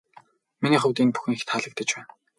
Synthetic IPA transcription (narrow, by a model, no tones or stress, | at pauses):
miniːχʊwt̪iːnpu̥xɘ̆nixt̪χaɮə̆k̚t̪ə̆t͡ɕpæːn